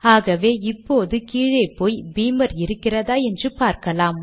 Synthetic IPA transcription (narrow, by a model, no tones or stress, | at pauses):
aːɣɐʋeːɪpːoːðɯkiːɻɐɪpːoːjbiːmɐɾɪɾɯkːɪrɐðaːɛndrɯpaːɾkɐlaːm